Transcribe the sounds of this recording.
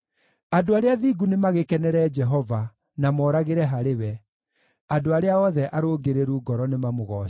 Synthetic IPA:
adoaɾeaðiɡunemaɣekɛnɛɾɛd͡ʒɛɦɔva | namɔːɾaɣeɾɛɦaɾewɛ | adoaɾeaɔðɛʔaɾoɡeɾeɾuɡɔɾɔnemamoɣɔ

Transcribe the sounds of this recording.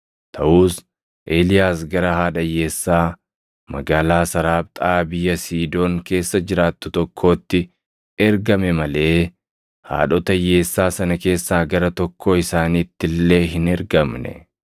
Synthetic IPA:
t̪ʰɐʔuːs | ʔeːlɪjaːsɡɐɾɐhaːᶑɐjːe̞ːsːaː | mɐɡaːlaːsɐɾaːb̚t̪ʼaːbɪjːɐsiːd̪o̞ːŋke̞ːsːɐd͡ʒɪɾaːt̪ːʊt̪ɔkʰːo̞ːt̪ːɪ | ɛɾɡɐmɛmɐle̞ː | ha̰ːᶑɔt̪ɐjːe̞ːsːaːsɐnɐke̞ːsːaːɡɐɾɐt̪ɔkʰːo̞ːɪsaːniːt̪ːɪlːe̞ːɦɪnɛɾɡɐmnɛ̰

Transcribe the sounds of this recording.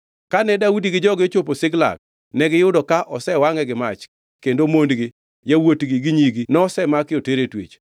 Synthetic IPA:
kanɛdaudiɡɪd͡ʒɔɡɪt͡ʃop̬osɪɡla̰k̚ | nɛɡɪjʊdɔkaʔɔsɛwaŋɛɡɪmat͡ʃ | kendomondɡɪ | jawotɡɪɡɪɲiɡinɔɔsɛmakɪɔteɾetwḛt͡ʃ

